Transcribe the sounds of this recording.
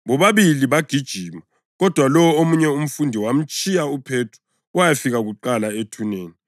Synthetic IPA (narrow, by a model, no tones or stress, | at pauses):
βɔβaβiliβaɡ̥ʱid̥ʒ̥ʱima | ɣɔd̥ʱwalɔwɔomuɲɛum̩fundʱiwam̩t͡ʃʼijaupʰeːtʰu̥ | wajafiɣaɣuǃalaetʰuneːni